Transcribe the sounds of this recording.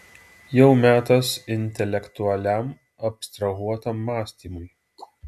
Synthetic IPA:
jɛʊmʲæːt̪ɐsɪnʲt̪ʲɛlʲɛkt̪ʊɐlʲæm | ɐpst̪ɾɐɣuɔt̪ɐmːɑːsʲt̪ʲiːmʊj

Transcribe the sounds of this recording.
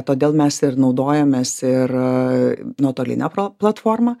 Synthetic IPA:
t̪oːd̪ʲeːlˠmʲɛsɪrnɒʊd̪oːjɛmʲeːsɪɾ | nuɔt̪oːlʲɪ̰nʲæpoplˠɐt̪foːrmɐ

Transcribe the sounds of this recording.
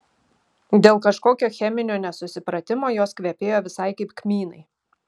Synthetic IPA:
d̪ʲeːlˠkɐʃkoːkʲoːxʲɛmʲɪnʲoːnʲɛsʊsʲɪpɾɐt̪ʲɪmoːjoːskʋʲɛpʲeːjoːʋʲɪsɐɪkɐɪpkmʲiːnɐɪ

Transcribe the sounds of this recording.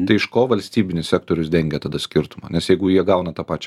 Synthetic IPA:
t̪ɐɪɪʃkoːʋɐlʲsʲt̪ʲiːbʲɪnʲɪssʲæːk̚t̪oːɾʲʊsd̪ʲɛŋʲɡʲɛt̪ɐːd̪ɐsʲkʲɪɾt̪ʊmɐ̰nʲɛsjɛɪɡʊjiɛɡɐʊnɐt̪ɑːpɑːt͡ʃʲ

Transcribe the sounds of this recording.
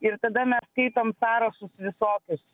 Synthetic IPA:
ɪɾt̪ɐd̪ɐmʲɛsːkɐɪt̪oːmsɑːɾɐʃʊsʋʲɪsoːkʲʊs

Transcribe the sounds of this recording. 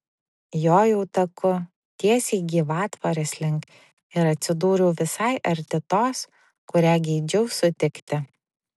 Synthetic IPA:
joːjɛʊt̪ɐkʊ | t̪ʲiɛsʲɛɪɡʲiːʋɑːt̪ʋɐɾʲɛsʲlʲɪŋk | ɪɾɐt̪ʲsʲɪd̪uːɾʲuːʋʲɪsɐɪʔɐɾʲt̪ʲɪt̪oːs | kʊɾʲæːɡʲɛɪd͡ʒʲɛʊsʊt̪ʲɪkt̪ʲɪ

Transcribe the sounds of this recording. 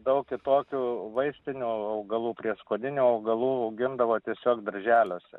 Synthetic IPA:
d̪ɐʊkkʲɪt̪oːkʲuːʋɐɪsʲt̪ʲɪnʲuːɐʊɡɐlˠuːpʲɾʲiɛskoːd̪ʲɪnʲuːɐʊɡɐlˠuːɐʊɡʲɪnd̪ɐʋoːt̪ʲiɛsʲoːkd̪ɐɾʲʒʲæːlʲoːsʲɛ̰

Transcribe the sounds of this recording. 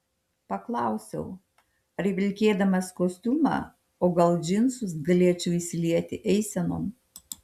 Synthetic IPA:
pɐklˠɑˑʊsʲɛ̰ʊ | ɐɾʲʋʲɪlʲkʲeːd̪ɐmɐskoːsʲt̪ʲuːmɑ̰ː | oːɡɐlˠd͡ʒʲɪnsʊsɡɐlʲeɛt͡ʃʲɛʊisʲɪlʲiɛt̪ʲɪʔɛɪsʲɛno̰ːm

